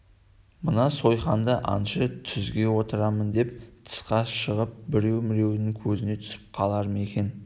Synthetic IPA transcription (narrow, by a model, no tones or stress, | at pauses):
mənɑso̞jχɑnd̪əʔɑ̰nʃət̪ʰʏzɡʲe̞wo̞t̪əɾɑmənd̪e̞p̚t̪ʰə̥sqɑʃəʁəp̚bɪɾe̞wmɪɾe̞wnɪŋkʲʰɵzɪne̞t̪ʰʏ̥sɪ̥p̚qʰɑlˠɑɾəme̞kʲe̞n